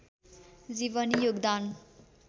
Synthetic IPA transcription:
d͡zibʌnjoɡd̪an

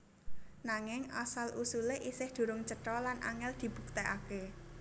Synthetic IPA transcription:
naŋɪŋasalʔusuleʔisɪhd̪̥ṳɾʊŋt͡ʃəʈɾɔlanʔa̰ŋɛld̪̥i̤b̥ṳk̚t̪ɛʔake

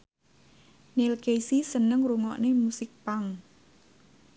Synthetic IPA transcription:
nelkesisənəŋruŋɔʔnemusɪk̚paŋ

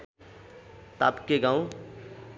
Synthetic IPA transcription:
t̪a̰pkeɡãũ

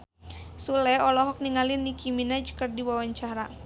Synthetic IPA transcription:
sulɛɔlɔɦɔk̚niŋalɪnikʰiminad͡ʒkɨrdiwawaɲt͡ʃaɾa

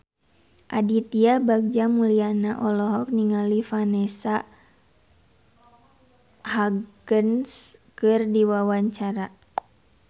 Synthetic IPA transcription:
ʔadit̪iabaɡ̚d͡ʒamulianaʔɔlɔɦɔk̚niŋalifanɛsa | haɡənskɨrdiwawaɲt͡ʃaɾa

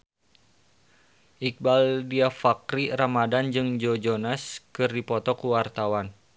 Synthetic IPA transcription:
ʔik̚baldiafakɾiramadand͡ʒɨŋd͡ʒod͡ʒonaskɨrdipɔt̪ɔkuwart̪awan

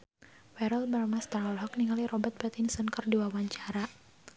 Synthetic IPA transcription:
wɛɾəlbarmast̪anɔlɦɔk̚niŋalirɔbət̪̚pɛt̪insənkərdiwawaɲt͡ʃaɾa

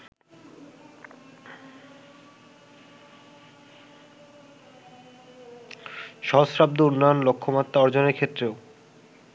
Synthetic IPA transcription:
ʃɔɦosɾab̚d̪ounːɔjonlokʰːomat̪ːaɔɾd͡ʑoneɾkʰet̪ːɾeo

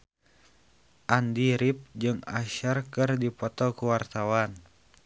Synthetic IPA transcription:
ʔandiɾip̚d͡ʒɨŋa̰ʃərkɨrdipɔt̪ɔkuwart̪awan

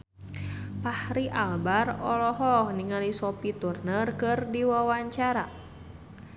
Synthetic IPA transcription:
pahɾiʔalbarɔlɔɦɔhniŋalisɔpit̪urnərkɨrdiwawaɲt͡ʃaɾa

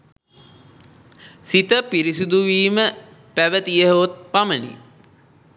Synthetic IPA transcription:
sit̪əpiɾisud̪uʋiːmə | pæʋət̪ijəɦot̪̚pamənḭ

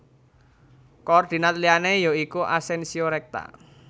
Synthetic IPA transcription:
kɔrd̪̥i̤nat̪lianejoikuʔa̰sɛnsioɾɛk̚t̪a̰

